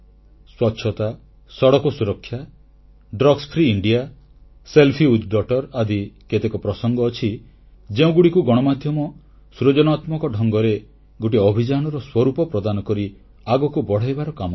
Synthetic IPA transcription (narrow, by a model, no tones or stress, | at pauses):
swɔtːʃʰɔt̪a | sɔɽɔkɔsuɾɔkʰːja | ɖɾɔɡspʰɾiːɳɖija | selpʰiud̪ɖɔʈɔɾad̪iket̪ekɔpɾɔsɔŋɡɔːt͡ʃʰi | d͡ʒeũɡuɽikuɡɔɽ̃ɔmad̪ʱjɔmɔ | sɾod͡ʒɔnat̪mɔkɔɖʱɔŋɡɔɾe | ɡoʈ̬iɔbʱid͡ʒañɔɾɔswɔɾupɔpɾɔd̪anɔkɔɾi | aɡɔkubɔɽ̤ajbaɾɔkamɔ